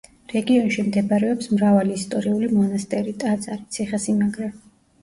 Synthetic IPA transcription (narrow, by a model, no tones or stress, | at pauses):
ɾɛɡiɔnʃimd̪ɛbɾɛɔpsmɾavaliːst̪ʼɔɾiulimɔnast̪ʼɛɾit̪ʼat̪sʼaɾit̪sʰiχasimaɡɾɛ